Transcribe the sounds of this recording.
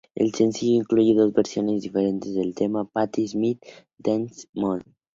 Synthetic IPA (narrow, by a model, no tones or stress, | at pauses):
ḛlsensiʎoiŋkluʝeðozβeɾsjonezðifeɾent̪ezðelt̪emapat̪izmit̪ | d̪ensmon